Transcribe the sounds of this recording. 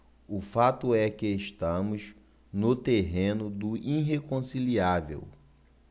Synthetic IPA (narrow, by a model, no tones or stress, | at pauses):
ʊfat̪ʊɛkɪeʃt̪ɐ̃mʊz | nʊt̪eɦẽnʊd̪ʊʔĩɦekõsiliavḛw